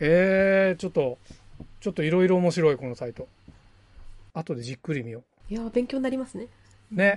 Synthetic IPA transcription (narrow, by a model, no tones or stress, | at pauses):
eːt͡ɕo̞t̪ːo̞t͡ɕo̞t̪ːo̞iɾo̞iɾo̞ːmo̞ɕiɾo̞iko̞no̞sait̪o̞ | at̪o̞d̪e̞d͡ʑikːɯ̟ɾʲimʲio̞ | jabẽ̞ŋkʲoɲnaɾʲimasɨne̞ | ne̞